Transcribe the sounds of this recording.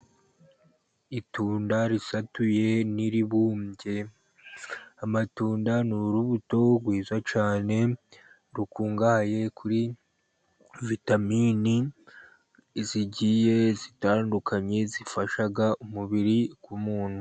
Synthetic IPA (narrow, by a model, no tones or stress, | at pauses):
ituːndaɾisatuje̞niɾiβuːmɟe̞ | amatuːndanuɾuβuto̞ɡwiːzwat͡ʃaːne̞ | ɾukuːŋɡahaje̞kʰuɾi | vitamini | ziɟije̞zitaːndukʰaɲe̞zifaʃaɡaʔumuβiɾiɡwumuːnhu